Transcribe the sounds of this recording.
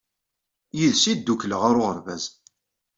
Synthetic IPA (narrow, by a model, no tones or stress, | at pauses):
jiðsid̪ːukləʁaɾʊʁəɾvæz